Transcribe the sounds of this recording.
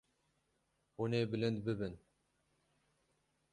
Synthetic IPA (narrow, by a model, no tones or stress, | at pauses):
huneːbɨlɨnd̪bɨbɨn